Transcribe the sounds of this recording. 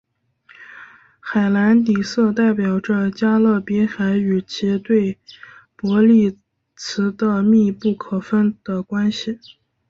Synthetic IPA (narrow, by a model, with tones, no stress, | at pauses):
xa˨˩ɪla˧˥nt̪i˨˩sɤ˥˧t̪a˥˩ɪpjɑ˨˩ʊʈ͡ʂə˧t͡ɕja˥lɤ˥˩pɛ˧˥xa˧˥ɪy˨˩t͡ɕʰi˧˥t̪we˥˩ɪpwɔ˧˥li˥˩ | t͡sʰɹ̩˧˥d̪ə˧mi˥˧pu˥˩kʰɤ˨˩fə˥nd̪̥ə˨kwa˥nɕi˨˩